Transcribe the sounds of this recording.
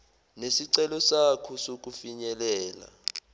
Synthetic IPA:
nesiǀɛlɔsakʰusok̬ʼufiɲɛlɛːla̰

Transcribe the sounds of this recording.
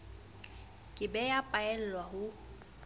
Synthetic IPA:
kʼɪbɛjapʼaɛl̩lwaɦʊ

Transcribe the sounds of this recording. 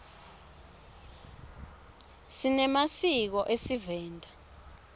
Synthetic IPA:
sinɛmasik̬ɔʔesivɛːndʱa

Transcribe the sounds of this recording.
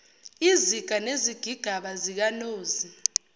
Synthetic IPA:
iziɡ̥ʱaneziɡ̥ʱiɡ̥ʱaɓazik̬anoːzi

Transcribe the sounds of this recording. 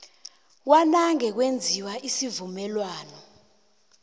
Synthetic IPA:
k̬wanaŋɛk̬wend͡zʱiwaʔisivumɛlwaːnɔ

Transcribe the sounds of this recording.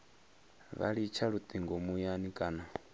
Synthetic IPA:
βa̰ɺit͡ʃʰaɺut̪ʼiŋɡɔmujanikʼaːna

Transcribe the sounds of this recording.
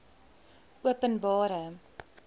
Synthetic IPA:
uəpənbɑːɾə

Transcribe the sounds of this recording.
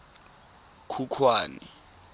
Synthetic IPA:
kʰukʰwaːni

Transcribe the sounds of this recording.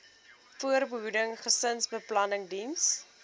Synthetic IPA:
fuərbəɦudəŋχəsənsbəplɐnəŋdins

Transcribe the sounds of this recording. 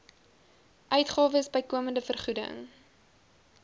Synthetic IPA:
ʔœɥtχɑːvəsbəjkuəməndəfərχudə̰ŋ

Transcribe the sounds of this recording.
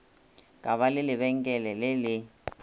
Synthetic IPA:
kʼaβalɪlɪβɛŋ̩kʼɛlɛlɪlɪ

